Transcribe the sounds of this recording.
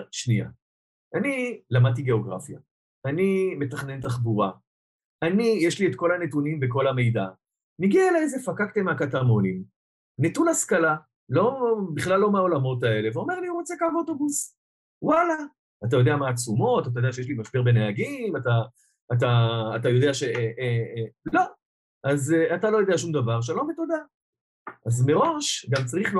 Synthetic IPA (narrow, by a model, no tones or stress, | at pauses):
ʃnia̰ | anilamad̪̚t̪iɡe̞o̞ɡʁa̰fja̰ | anime̞t̪aχne̞ntaχbuʁa | anijeʃlie̞tko̞lanetunimbe̞ko̞lame̞jda | niɡiaelazefakakt̪emeakatamo̞nim | netulaskala | lo̞biχlalːo̞maolamo̞tae̞le̞veo̞mealiuʁot͡sekaboto̞bus | walaː | t̪̬ajo̞d̪eamaːt͡sumo̞tat̬ajodeaʃ̬ejeʃlimaʃbeʁbe̞neaɡimataː | t̬aːtajo̞d̪eaʃe̞ | lo̞ | ʔazatalo̞jo̞deaʃumd̪avaʁʃ̬alometod̪a | ʔazme̞ʁo̞ʃɡamt͡saʁiχl